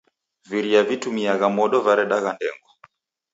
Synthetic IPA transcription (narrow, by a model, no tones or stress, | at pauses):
viɾiavitumiaɣamɔɗɔvaɾɛɗaɣandɛŋɡɔ